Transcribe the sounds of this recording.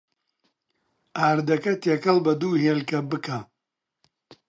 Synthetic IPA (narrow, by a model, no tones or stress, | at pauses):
aːɾd̪ɐkɐt̪ekɐlbɐd̪uːɦeːlkɐbɨkʰa